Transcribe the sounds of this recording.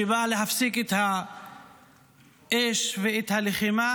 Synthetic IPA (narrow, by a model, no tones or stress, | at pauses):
ivalehafsiket̪ha | ʔeʃveet̪haleχima